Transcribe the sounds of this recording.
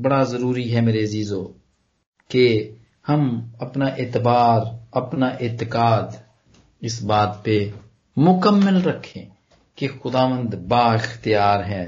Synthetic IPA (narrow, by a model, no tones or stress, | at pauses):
bɐɽazəɾuːɾiɦɛːmeːɾeɐziːzoː | ke | hɐmɐpnaːʔɪːt̪baːɾəpnaːʔɪːt̪ɪkaːd̪ | ɪsbaːt̪pe | mʊkəmːəlɾəkʰːẽː | kexʊd̪aːʋə̃nd̪baːɪxt̪ɪjaːɾɦɛː